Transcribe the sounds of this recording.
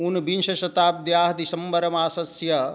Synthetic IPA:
unbinʃɐʃɐt̪aːp̚d̪jaːɦɐd̪isɐmbɐɾɐmaːsɐsjɐ

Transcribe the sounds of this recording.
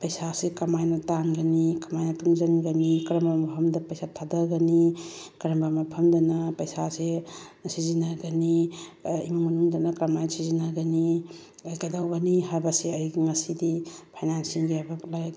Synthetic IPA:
pɐjsasikɐmajnɐtanɡɐnikɐmajnɐtʰuŋzɐŋɡɐnikɐɾɐmbɐmɐpʰɐmdɐpɐjsatʰadɐɡɐni | kɐɾɐmbamɐpʰɐmdɐnɐpɐjsase | sizinaɡɐni | imaŋmɐnuŋdɐnɐkɾɐmajsizinaɡɐni | ajkadawɡɐniɦaɾbɐsiɐjɡiŋɐsidipʰajnansiŋɡiabaklaj

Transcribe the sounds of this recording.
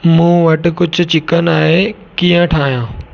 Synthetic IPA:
mũːʋɐʈɪ̆kʊd͡ʑʱʊ̆t͡ɕɪkənaːɦe | kiːə̃ʈʰaːɦijãː

